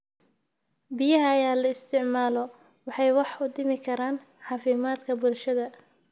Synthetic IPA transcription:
bɪjɐɦɐːjaːlɐɪst̪ʰɪʕmaːlɔ | wɑħɑjwɑħʊd̪ɪmɪkʰɐɾaːn | ħɑːfɪmaːd̪kʰɐbʊlʃɐðɐ

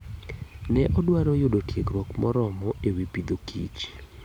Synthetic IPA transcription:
nɛʔɔdwaɾojʊdotjekɾwɔkmɔɾɔmɔʔewipid̪okḭt͡ʃ

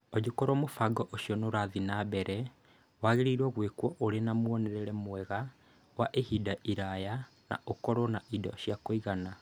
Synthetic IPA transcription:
ɔd͡ʒokoɾwɔmofaɡɔʔoʃjɔnoɾaðinabɛɾɛ | waɣeɾiiɾɔɣwekwɔʔoɾenamoɔnɛɾɛɾɛmwɛɣa | waʔehidaʔiɾaja | na̰ʔokɔɾɔnaʔidɔ̰ɕjakoiɣana

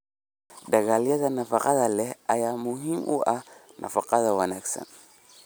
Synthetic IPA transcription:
daɡalijatanafaqataleajamuɦimʔṵʔanʔa̰faqat̪awanaksa̰n

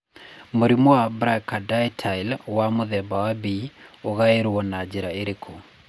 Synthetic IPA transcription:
moɾimowabɾakadajtʰailwamoðɛbawabioɣaeɾwɔnad͡ʒiɾaeɾekʰo

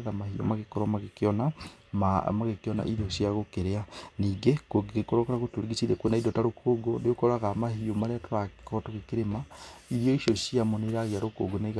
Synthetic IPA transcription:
ðamahio̰maɣekɔɾɔmaɣekɔnamamaɣekeɔna̰ʔiðosjaɣokeɾeaniːɡekoɣekɔɾɔkaɾaɣotoɾiɣisiɾekwenaiðotaɾokʰoɡodeokoɾaɣamahiomaɾeatoɾakɔɾɔtoɣekeɾemaiɾjɔiʃoʃjamoneɾaɣeaɾoko̰ɡonaiɣ

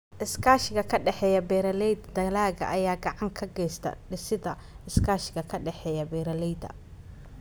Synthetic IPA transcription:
ʔɪskʰaːʃɪɣɐkʰɐɖɛħɛːjɐbɛːɾɐlɛjd̪d̪ɐlaːɣɐ̰ʔɐjaːɡɑʕɑŋkʰɐɡɛjst̪ʰɐ̰ɖɪsɪðɐ | ɪskʰaːʃɪɣɐkʰɐɖɛħɛːjɐbɛːɾɐlɛjd̪ɐ̰

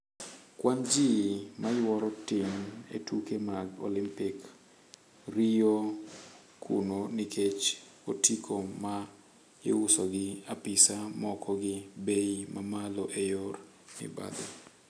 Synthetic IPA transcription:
kwand͡ʒimajwɔɾɔtɪmḛtukemaɡo̰lɪmpɪk | rio | kʰṵnonɪkʰet͡ʃotikʰoma | ɪʊsoɡɪapɪsamɔkɔɡɪbeimamaloʔejor | nɪ̰ba̰d̪ɔ

